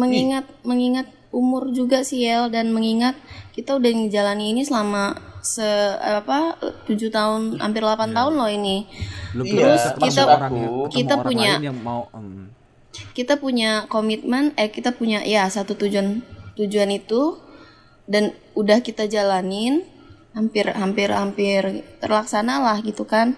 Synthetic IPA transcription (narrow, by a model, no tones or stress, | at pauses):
məŋiŋat̪̚məŋiŋat̪̚ | umʊrd͡ʒuɡasiɛldanməŋiŋat̪̚kit̪audahŋd͡ʒalaniːnisəlamasəpat̪ud͡ʒut̪aʊnha̰mpɪrlapant̪aɦʊnlɔhinit̪ɾʊskit̪akit̪apuɲa | kit̪apuɲakomit̪̚mɛnɛkit̪apuɲaʔjasat̪ut̪ud͡ʒuant̪ud͡ʒuanit̪u | dan | udahkit̪ad͡ʒalanɪn | hampɪrɦampɪrhampɪrt̪ə̰rlaksanalahɡit̪ukan